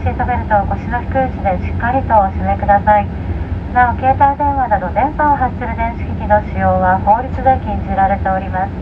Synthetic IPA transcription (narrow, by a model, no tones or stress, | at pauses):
ɕiːt̪abe̞ɾɯ̟t̪o̞ɡo̞ɕino̞çʲi̥kɯ̟ːt͡ɕid̪e̞ɕi̥kːaɾʲit̪o̞ɕime̞kɯ̟d̪asai | naoke̞ːt̪aid̪ẽ̞ɰ̃βad̪ad̪o̞d̪ẽ̞mpãɦat͡ɕt͡ɕɨɾɯ̟d̪ẽɰ̃ɕi̥kʲikʲinoɕijo̞ːβaho̞ːɾʲit͡sɨd̪ekʲĩɲd͡ʑiɾaɾe̞t̪eo̞ɾʲimasɨ̥